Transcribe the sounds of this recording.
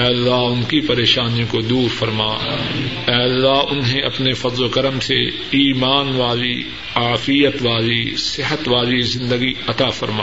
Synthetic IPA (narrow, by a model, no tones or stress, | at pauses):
ɛːlːaɦʊnkipɐɾeːʃaːnijõkod̪uːɾfɐɾmaː | ɛːɐlːaɦʊnɦẽʔɐpnefɐd̪lokɐɾəmse | iːmaːnʋaːli | aːfijət̪ʋaːlisɪɦət̪ʋaːlizɪ̃nd̪əɡiɐt̪aːfɐɾmaː